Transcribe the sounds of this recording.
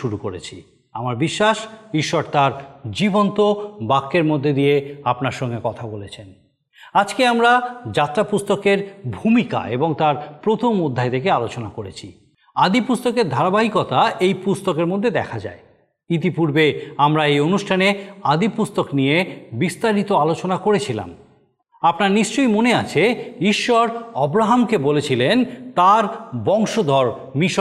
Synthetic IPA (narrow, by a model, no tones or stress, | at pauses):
ʃuɾukoɾḛt͡ɕʰi | amaɾbiʃːaʃiʃːɔɾt̪aɾd͡ʑibont̪obakːeɾmod̪ʱːed̪ijeapnaɾʃɔŋɡekɔt̪ʰabolet͡ɕʰen | ad͡ʑkeamɾad͡ʑat̪ːɾapust̪okeɾbʱumika̰eboŋt̪aɾpɾot̪ʰomod̪ʱːaet̪ʰekealot͡ɕonakoɾḛt͡ɕʰi | ad̪ipust̪okeɾd̪ʱaɾabaɦikɔt̪aejpust̪okeɾmod̪ʱːed̪ɛ̰kʰad͡ʑa̰e | it̪̬ipuɾbeamɾaejonuʃʈʰanead̪ipust̪oknijebist̪aɾit̪oalot͡ɕonakoɾet͡ɕʰila̰m | apnaɾniʃt͡ɕojmoneat͡ɕʰeiʃːɔɾɔbɾaɦamkebolet͡ɕʰilent̪aɾbɔŋʃod̪ʱɔɾ | miʃ